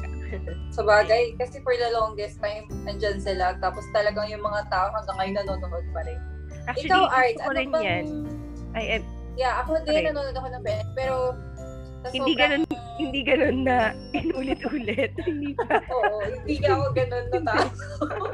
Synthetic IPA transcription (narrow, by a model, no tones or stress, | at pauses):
sɐbaːɡɐjkɐsɛfɔɹd̪ɐloŋɡɛst̪ajmɐnd͡ʒansɪlat̪aːpost̪ɐlɐɡaŋjʊŋmɐŋat̪aːʔohɐŋɡɐŋːɐjʊnɐnoːnoʔod̪̚pɐɾɛn | ʔak̚ɪt͡ʃɐkalwʔaɹt̪ʔɐpɐɾɪnmɐjan | ʔɐjʔɛm | jaʔɐkond̪iɐnɐnoːnod̪ɐkonɐŋpɛːɛk̚pɛːɾo̞ | nɐshɪniːɡɐnon | hɪnd̪iːɡɐno̞nːɐ | ʔɪnuːlɪt̪ʔuːlɛt̪̚hɪnd̪iːpɐʔoːʔohɪnd̪iːkɐɐkoɡɐnonːɐako